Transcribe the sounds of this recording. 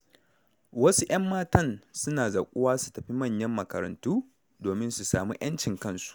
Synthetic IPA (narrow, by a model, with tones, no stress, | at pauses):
wɐ˦su˦j̰ɐ˦mːaː˦tɐ˦˨nsʊ˦naː˨za˨kʷʼʊ˦waː˦su̥˨tɐ˨ɸi˦mɐ˦˨ɲjɐ˦mːɐ˨kɐ̰˨ɾɐ̰˨ntuː˦ | doː˨mɪ˦nsu˨saː˨mṵ˦j̰ʔɐ˦nt͡ʃɪ˨ŋkɐ˦nsu̥˨ʔ